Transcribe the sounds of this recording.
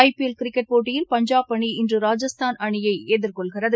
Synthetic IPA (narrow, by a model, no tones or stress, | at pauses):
ɐɪpiɛlkɪɾɪkːɛʈ̚poːʈːɪjɪlpɐɲd͡ʒaːpːɐɳiɪndrɯɾaːd͡ʒɐst̪ʰaːnɐɳɪjɐɪeːðɪɾkɔɭɣɪrɐðɯ